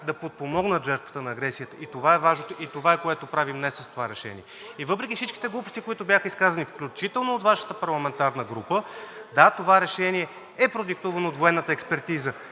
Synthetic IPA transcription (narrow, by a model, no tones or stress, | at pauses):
d̪ɐpot̪̚pomɔɡnət̪ʒɛɾt̪və̥t̪ənɐːɡɾɛsijət̪əʔit̪ovaɛvaʒnot̪oit̪ovaɛkoɛt̪opɾavimnɛsɐst̪ovaɾɛʃɛ̰nḭɛ | ivɤpɾɛkʲifsit͡ʃki̥t̪ɛɡlˠupost̪ikoit̪obʲjaxəiskazɐnifklʲut͡ʃit̪ɛlˠnoːt̪vaʃə̥t̪əpɐɾlˠɐmɛnt̪aɾnəɡɾupəd̪at̪ovaɾɛʃɛniɛ | ɛpɾod̪ik̚t̪uvɐnoːt̪voɛnːət̪əɛkspɛɾt̪izə